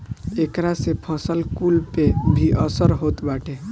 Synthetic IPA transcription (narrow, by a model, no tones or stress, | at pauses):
ekɾasepʰəsəlkulpebʱiʔəsəɾɦot̪baʈʰe